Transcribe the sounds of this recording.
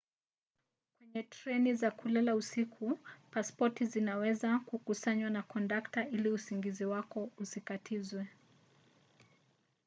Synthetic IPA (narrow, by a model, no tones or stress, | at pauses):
kwɛɲɛtɾɛnizakulɛlausikʰupaspɔtizinawɛzakukusaɲwanakɔndaktailiusiŋɡiziwakɔusikatʰizwɛ